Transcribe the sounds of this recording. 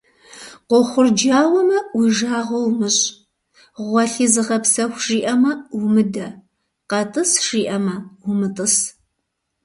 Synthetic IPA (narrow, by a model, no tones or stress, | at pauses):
qʷɔχʷʊrd͡ʒaːwɐmɐwiʒaːʁɐwmɨɕʼ | ʁʷɔɬizɨʁɐpsɐxʷʒiːʔɐmɐwmɨdɐ | qɐtʼɨsʂiːʔɐmɐwʊmɨtʼɨs